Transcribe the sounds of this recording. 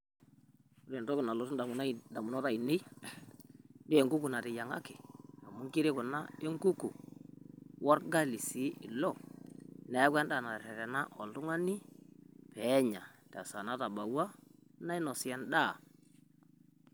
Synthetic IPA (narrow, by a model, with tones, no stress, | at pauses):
u˦ɾɛ˨ndɔ˦kɪ˨na˨lɔ˨tda˨˦da˨mʊ˨nɔ˦ɾa˦˨i˨nɪ˦ | ndɪ˦e˨ŋɡu˦ku˨na˨ɾɪ˨ja˨ŋa̰˦kɪ˨a˨mʊ˦ŋki˦ɾɪ˦kʊ˨na˦e˦ŋku˦ku˨ | wɔ˦ɾɡa˦˨li˨si˨˦ɪ˨lɔ˦˨ | na˨˦ka˦nda˦˨na˨ɾɛ˨ɾɛ˨na˦ʔɔ˨ltʊ˦ŋa˦ni˦pɛ˨˦ɲa˨tɛ˨sa˨na˦ta˨ba˨wa˦na˦ɪ˦nɔ˨sɪ˨ɛ˦nda˦˨